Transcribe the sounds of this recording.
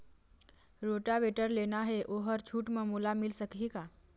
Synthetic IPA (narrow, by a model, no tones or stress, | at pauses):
ɾoʈabeʈəɾlenaɦɛʔoɦəɾt͡ʃʰuːʈmẽmulamɪlsəkɦika